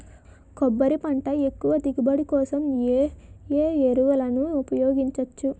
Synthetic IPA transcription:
kɔbːɐɾipɐɳʈɐe̞kːuʋɐd̪iɡibɐɽikɔːsɐm | eːeɾuʋɐlɐnuːpɐjoːɡiɲt͡ʃɐt͡ʃːu

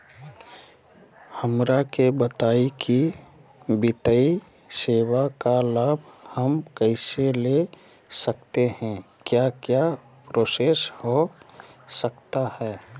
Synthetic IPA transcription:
həmɾakebət̪aːiki | bɪt̪əi | seːwakalaːbʱhəmkəɪsele | sək̚t̪ehɛ̃ | kjakja | pɾoːsesho | səkt̪ahɛː

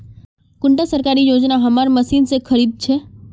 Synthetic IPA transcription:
kʊɳʈasəɾkaɾijod͡ʒnaɦəmaɾməsinsekʰəɾid̪̚t͡ʃʰe

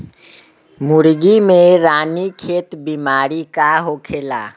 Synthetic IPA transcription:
mʊɾɡimẽɾaːnikʰeːt̪bimaːɾikaɦokʰeːla̰ː

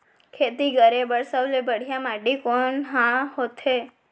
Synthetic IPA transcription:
kʰet̪iɡəɾebəɽsəʋlebəɽ̤jamaʈikoɳɦãhot̪ʰe

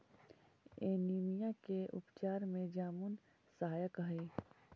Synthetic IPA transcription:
eːniːmijãkeʔʊ̰pt͡ʃaːɾmẽd͡ʒaːmun | səɦaːjəkɦi

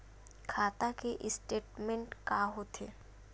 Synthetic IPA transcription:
kʰaːt̪akeʔɪsʈeːʈmɛ̃ɳʈkaɦot̪ʰeː

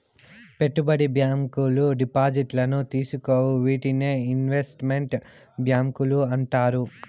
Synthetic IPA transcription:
pe̞ʈːubɐɽibjaːmkuluɖipaːd͡ʒiʈlɐnut̪iːsukoːwuʋiːʈine̞ːinʋe̞sʈme̞ɳʈ | bjaːmkuluɐɳʈaːɾu

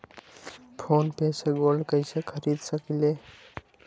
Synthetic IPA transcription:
pʰonpeseɡolɖkəjsekʰəɾid̪səkile

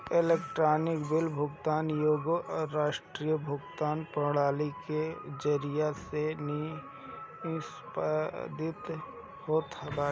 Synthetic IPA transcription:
eleːk̚ʈɾaːnɪkbɪlbʱʊɡt̪aːnjoːɡoʔɔɾɾaːʃʈɾiːjəbʱʊɡt̪aːnpəɽaːliked͡ʒəɾɪjaseni | s | pd̪ɪt̪ | hoːt̪baː

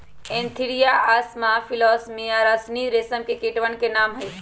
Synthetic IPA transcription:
ẽnt̪ʰiɽijaasmafʰilɔːsmijaɾasniɾesəmkekeʈʋənkenaːmɦəj

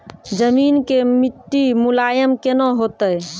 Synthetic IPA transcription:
d͡ʒəminkemiʈːimulajəmkenɔɦot̪əj

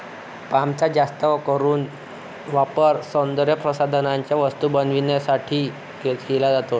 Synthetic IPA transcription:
pamt͡sad͡ʑast̪əʋkəɾuːn | ʋapəɾsənd̪ɾjəpɾəsad̪ʱənaɲt͡ɕjaʋəst̪ubənʋinjasaʈʰiː | kekelad͡zat̪o

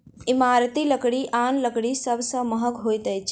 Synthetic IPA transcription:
ɪmaːɾt̪iləkɽiʔaːnləkɽisəbsəməɦəɡɦoːjt̪ɐjt͡ʃʰ

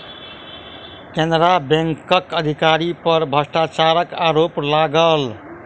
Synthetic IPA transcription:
kẽnd̪ɾabẽŋkəkəd̪ʱikaɾipəɾbʱəsʈat͡ʃaɾəkaɾoplaɡəl

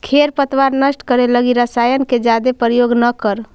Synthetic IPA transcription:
kʰeɾpət̪waɾnəsʈkəɾeləɡiɾəsajənked͡ʒad̪epɾjoɡnəkəɾ

